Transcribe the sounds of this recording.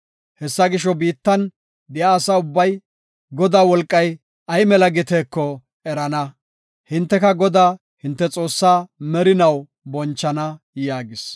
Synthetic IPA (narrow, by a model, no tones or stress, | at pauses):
hɛsːɐɡɪʃɔbiːt̪ːɐn | d̪ɪjaːsaːʊbːɐj | ɡɔd̪aːwɔlkʼːɐj | ɐjmɛlɐɡɪt̪eːkːɔ | ɛɾɐnɐ | hɪnt̪ːɛkɐɡɔd̪aː | hɪnt̪ːɛt͡sʼo̞ːsːaːmɛɾɪnɐw | bɔnt͡ʃːɐnɐ | jaːɡɪs